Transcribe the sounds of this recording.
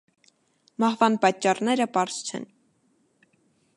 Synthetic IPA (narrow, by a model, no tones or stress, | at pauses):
mɑhvɑnpɑt͡ʃːɑrnɛɾəpɑɾst͡ʃʰɛ̰n